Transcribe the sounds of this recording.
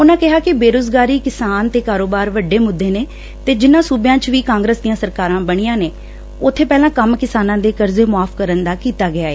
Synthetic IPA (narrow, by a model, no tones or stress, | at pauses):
ʊnãːkɪɦaːkɪbeːɾoːzɡaːɾiːkɪsaːnt̪eːkaːɾoːbaːɾʋəɖːeːmʊd̪ʱːeːneː | t̪eːd͡ʒɪnãːsuːbjãːt͡ʃʋiːkãːŋɡɾəsd̪ijãːsəɾkaːɾãːbəɽ̃ijãːneː | ʊt̪ʰːeːpɛːlãːkəmkɪsaːnãːd̪eːkəɾzeːmʊaːfkəɾənd̪aːkiːt̪aːɡɪaːeː